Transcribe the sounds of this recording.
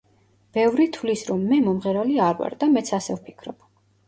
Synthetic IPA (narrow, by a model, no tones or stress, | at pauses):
b̥ɛvɾit̪ʰvlisɾɔmːɛmɔmʁɛɾaliaɾwa̰ɾd̪amɛt̪sʰasɛvpʰikʰɾɔb̥